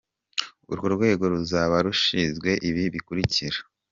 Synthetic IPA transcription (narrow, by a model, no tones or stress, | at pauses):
ṵɾɡo̞ɾɡwe̞ːɡo̞ɾuzaβaɾuʃizɡwe̞ʔiβiβikuɾiciɾa